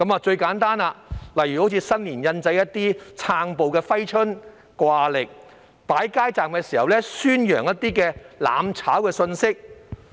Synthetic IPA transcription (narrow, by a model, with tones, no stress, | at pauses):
kɐ˨˥maː˨˧t͡ʃɵ˧ɥkaː˨˥nt̪aː˥naː˧lɐ˨˩jyː˨ho˨˥wt͡sʰi˨˧sɐ˥ŋliː˨˩njɐ˧nt͡sɐ˧jɐ˥t̚t̪ːiː˥t͡sʰaː˧ŋpo˨wkɛː˧fɐ˥jt͡ʃʰɵ˥n | kwaː˧lɪ˨k̚ | paː˨˥jkaː˥jt͡saː˨mkɛː˧siː˨˩hɐ˨wlɛ˥syː˥njœ̰ː˨˩ŋjɐ˥t̚t̪iː˥kɛː˧la̰ː˨˧mt͡sʰaː˨˥wkɛː˧sɵ˧nsɪ˥k̚